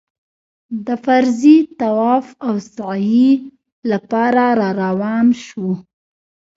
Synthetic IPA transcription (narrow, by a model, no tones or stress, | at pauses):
d̪əfaɾzit̪awɑfawsaji | lapɑɾaɾɑɾawɑmʃu